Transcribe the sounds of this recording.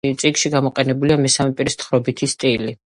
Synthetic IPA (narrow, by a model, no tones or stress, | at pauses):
t̪sʼikʃiɡamɔqʼɛnɛbuliamɛsamɛpʼiɾist̪χɾɔbit̪ʰist̪ʼili